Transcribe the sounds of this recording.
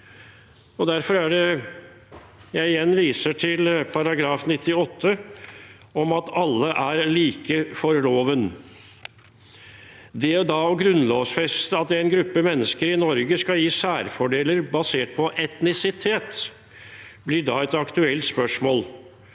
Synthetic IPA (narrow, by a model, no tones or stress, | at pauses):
ɔd̪æɾfɔɾæɖɛ | jæɪɪjɛnːʋiːsəʈʰɪlpʰɑɾɑɡɾɑːfnɪt̪ːɪɔt̪ʰːə | ɔmɑt̪ɑlːəʔæɾliːkəfɔɾloːʋən | d̪ɛd̪ɑɔɡɾʉnloːʋsfɛst̪əɑt̪æɪnɡɾʉpːəmɛnːəskəɾɪnɔɾɡəskɑjiːsæːɾfɔɖeːləɾbɑseːʈ̚pʰɔʔɛt̪nɪsɪt̪ʰeːt̪ | blɪɖɑːɛt̪ɑkt̪ʉɛlt̪spœʂmoːl